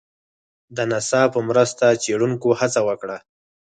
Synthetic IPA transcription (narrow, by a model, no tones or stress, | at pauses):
d̪ənasɑpəmɾəst̪at͡seɽuŋkohat͡sawəkɽa